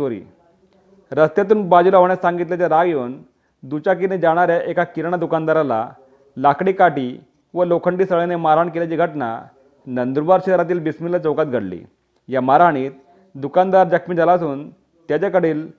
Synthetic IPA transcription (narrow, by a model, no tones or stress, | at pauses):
oɾḭː | ɾəst̪jat̪̬uːnbad͡ʑulaɦoɳjasãŋɡit̪lat͡ɕjaɾaɡjoːn | d̪ut͡ɕak̬ined͡ʑaɽ̃aɾjaʔekakiɾɳ̃ad̪ukand̪aɾala̰ | lakɽiːkaʈiː | ʋəlokʰəɳʈiːsəɭenemaɾaɳkeljat͡ɕiːɡʱəʈna̰ | nənd̪ɾubaɾɕid̪əɾat̪̬iːlbismilat͡səwkat̪̚ɡʱəɽlḭ | jamaɾaɽ̃iːt̪̚ | d̪ukand̪aɾd͡ʑəkʰmid͡zalasuːn | t̪jat͡ɕakəɽ̤iːl